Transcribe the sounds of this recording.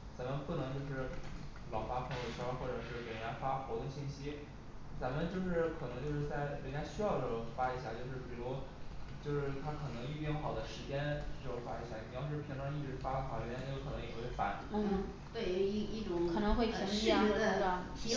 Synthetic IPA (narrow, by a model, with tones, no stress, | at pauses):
t͡sa˧˥mə˧npu˥˩nɤ˧˥ŋt͡ɕjo˥˧ʊʂɻ̩˥˩ | lɑ˨˩ʊfa˥pʰɤ˧˥o˥˩t͡ɕʰɑ˥xwɔ˥˩ʈ͡ʂɤ˨˩ʂɻ̩˥˩pɛ˨˩nɻa˧˥nfa˥xo˧˥t̪ə˥˧ɕi˥˩nɕi˥ | t͡sa˧˥mə˧nt͡ɕjo˥˧ʊʂɻ̩˥˩kʰɤ˨˩nɤ˧˥ŋt͡ɕjo˥˧ʊʂɻ̩˥˧t͡sa˥˩ɪle˧˥nt͡ɕja˥ɕy˥jɑ˥˧ʊʈ͡ʂɤ˥˩ʈ͡ʂʊ˨˧˩fa˥i˧˥ɕja̰˥˧t͡ɕjo˥˧ʊʂɻ̩˥˩pi˨˩lu˧˥t͡ɕjo˥˧ʊʂɻ̩˥˩t̪ʰa˥kʰɤ˨˩nɤ˧˥ŋi˥˩pjxɑ˨˩ʊd̪ə˦ʂɻ̩˧˥t͡ɕjɛ˥n̩˥˩ʊ˧˩ŋfa˥i˧˥ɕja˥˩ni˨˩˥j̩ʰ˥˧˥i˧˥ŋʈ͡ʂɑ˥˧i˥˩ʈ͡ʂɻ̩˧˥fa˥lə˧˩xɑ˨˩˦jo˥ʊkʰɤ˨˩nɤ˧˥ŋjwe˥˧˥fa̰˧˩˥n̩˥ | t̪we˥˧˩i˥˩ʈ͡ʂʊ˨˩˦ŋkʰɤ˨˩nɤ˧˥ŋxwe˥˩ɪpʰŋi˥˧˥ə˧˩t̪ʰ